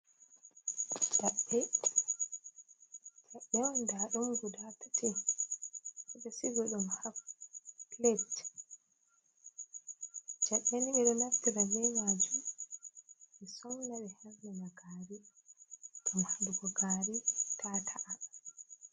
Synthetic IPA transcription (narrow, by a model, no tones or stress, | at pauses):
d͡ʒ̥aɓːɛ | t͡ʃaɓːɛwɔndaɗumɡudatatʰi | ɛɓɛsiɡɔɗumhaf | letː | d͡ʒaɓɛniɛɗɔnaftːiɾabɛmad͡ʒum | ʔɛsɔŋnaɓɛhɛɾnɛnaɡaɾi | ɡ̥amhaduɡɔɡaːɾitʰatʰaʔa